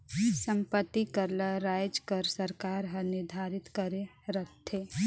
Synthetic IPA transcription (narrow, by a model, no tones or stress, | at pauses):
sə̃mpət̪ːikəɾlaɾaːjd͡ʒkəɾsəɾkaːɾɦənɪɾd̪ʱaːɾɪt̪kəɾe | ɾət̪ʰːe